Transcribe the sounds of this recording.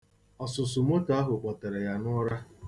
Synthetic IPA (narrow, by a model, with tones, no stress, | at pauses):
ɔ˨sʊ˨sʊ˨m˦o˦ta˦ɦʊ˨k͡pɔ˨ta˨ɾe˨ja˦nɔ˦ɾa˦